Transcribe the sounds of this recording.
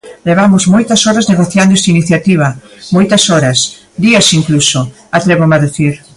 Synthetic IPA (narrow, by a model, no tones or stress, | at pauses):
leβ̞amʊzmojt̪ɐsɔɾɐzneɣoθjand̪ʊɛst̪ainiθjat̪iβ̞ɐmojt̪ɐsɔɾɐs | d̪iɐsiŋkluso | at̪ɾɛβomaðeθiɾ